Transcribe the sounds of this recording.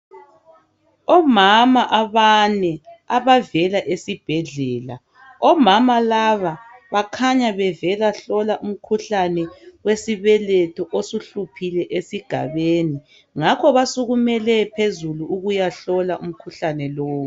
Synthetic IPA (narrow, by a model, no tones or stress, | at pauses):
ɔmamaʔaβanɛaβavɛlaʔesib̥ʱɛɮɛːla̰ | ɔmamalaβaβakʰaɲaβɛvɛlaɬɔlaʔum̩kʰuɬanɛwesiβɛlɛtʰɔʔosuɬupʰilɛʔesiɡ̥ʱa̰βeːni | ŋakʰɔβasuɣumɛlɛpʰezuluuɣujaɬɔlaʔum̩kʰuɬanɛlɔːwu